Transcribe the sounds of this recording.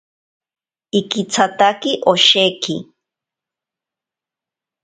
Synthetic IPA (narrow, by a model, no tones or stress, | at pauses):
ɪkɪt͡sʰat̪akɪʔoʃeːkɪ̰